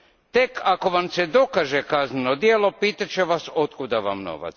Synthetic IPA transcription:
t̪e̞kʰako̞ʋamsed̪o̞kaːʒekaznenod̪jeːlo̞piːt̪at͡ɕeʋaso̞t̪kud̪aʋa̰mno̞̰ʋa̰t̪s

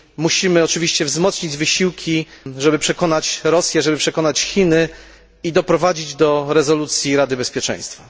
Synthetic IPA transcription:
muɕimɘɔt͡ʂɘvʲiɕt͡ɕɛvzmɔt̪sɲid͡ʑvɘɕiwkʲʰiʐɛbɘpʂɛkɔnat͡ɕɾɔsʲjɛʐɛbɘpʂɛkɔnat͡ɕxʲinɘ | id̪ɔpɾɔvad͡ʑid͡ʑd̪ɔɾɛzɔlut̪sʲjiɾad̪ɘbɛspʲjɛt͡ʂɛ̰̃j̃st̪fa

